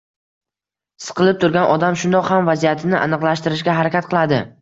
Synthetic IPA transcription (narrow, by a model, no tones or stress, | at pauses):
sɨ̥qʰɨlˠɪp̚t̪ʰʊɾɡʲanʔɒd̪amʃʊnd̪ɒqhamvazijat̪ʰɪnɪʔa̰nɨqlˠaʃt̪ɪɾɪʃɡʲaɦaɾakʲat̪̚qʰɨlˠad̪ɪ